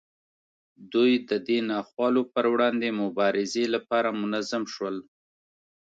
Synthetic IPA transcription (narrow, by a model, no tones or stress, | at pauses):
d̪ujd̪əd̪enɑxwɑlopəɾwɽɑnd̪emʊbɑɾɪzelapɑɾamʊnazamʃwəl